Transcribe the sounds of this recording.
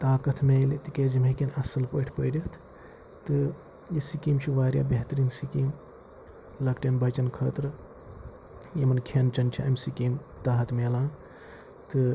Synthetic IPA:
t̪aːkɐt̪ʰmelit̪ikeːd͡ʒimekenɐsɐlpəːʈʰpəjɖit̪ʰ | t̪ɨ | jisikimt͡ʃʰiʋaːɾja̰ːbeɦt̪ɾiːnsikim | lɐkʈenbɐt͡ʃɐnkʰəːt̪ɾ | jemɐnkʰent͡ʃɐnt͡ʃʰiɐmsikimt̪aːɦɐt̪ʰmelãː | t̪ɨ

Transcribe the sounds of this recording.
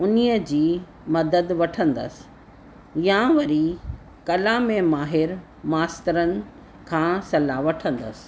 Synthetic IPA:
ʊnijəd͡ʑiː | mɐd̪əd̪ʋɐʈʰə̃nd̪ə̰sɪ̥ | jãʋɐɾi | kɐlaːmẽmaːɦɪɾ | maːst̪ɪɾənɪ̆ | kʰãːsɐlaʋɐʈʰə̃nd̪ə̰sɪ̥̆

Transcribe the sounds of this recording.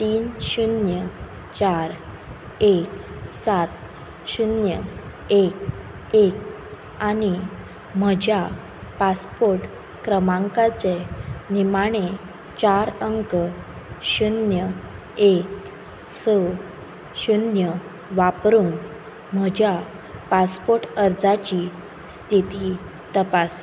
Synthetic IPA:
t̪iːnɕunjə | t͡ɕaɾ | eksat̪̚ | ɕunjə | ek | ek̚ | ani | m̤əd͡ʑʱja | paspoɾʈ | kɾəmãŋkat͡senimaɽ̃e | t͡ɕaɾəŋk | ɕunjə | ek̚ | səw | ɕunjə | ʋapɾuːn | m̤əd͡ʑʱja | paspoɾʈəɾd͡zat͡ɕi | st̪ʰit̪i | t̪əpas

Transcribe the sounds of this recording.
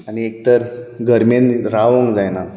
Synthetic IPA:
aniek̚t̪əɾɡʱəɾmenɾaʋəŋɡd͡zajna

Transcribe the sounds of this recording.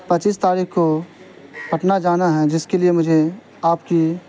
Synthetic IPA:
pɐt͡ʃiːst̪aːɾiːkko | pʰɐʈnad͡ʒaːnaɦɛd͡ʒɪskeliemʊd͡ʒʱe | aːpki

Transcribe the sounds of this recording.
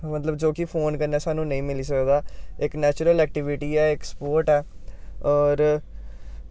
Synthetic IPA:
mət̪ləbd͡ʒoːkipʰoːnkəɾnɛːsaːnũːnə̃ĩːmɪliːs̬əkd̪aːɪknɛːt͡ʃɾəlɛːk̚ʈɪʋɪʈiːɛːɪkspoːɾʈɛːɔːɾ

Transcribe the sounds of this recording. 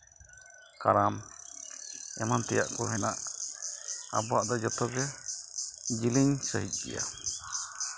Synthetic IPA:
kaɾam | ɛmant̪ɛja̰ʔkɔɦɛnaʔ | a̰bɔaʔd̪ɔd͡ʒɔt̪ɔɡɛ | d͡ʒiliɲsəɦit̪̚ˀɡɛ̰ja̰

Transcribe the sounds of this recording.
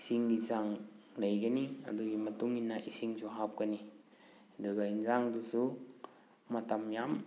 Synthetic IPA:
siŋɡizaŋlɐjɡɐniɐ̰duɡimɐtuŋinːɐʔisiŋzuɦap̚ɡɐni | ɐduɡainzaŋdusu | mɐtɐmjam

